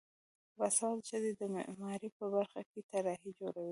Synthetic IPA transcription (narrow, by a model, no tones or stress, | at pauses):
fasɑt̪ʃəd̪ed̪əmɪ̰ʔmɑɾipəbaɾxaket̪aɾɑɦid͡ʒoɽawi